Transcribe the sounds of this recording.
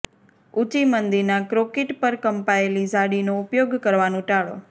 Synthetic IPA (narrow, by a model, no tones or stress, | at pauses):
ut͡ʃimənd̪iɾnakɾokeʈpəɾkəmpaelid͡ʒaɽinoʊpjoɡkəɾʋanõʈaɭo̰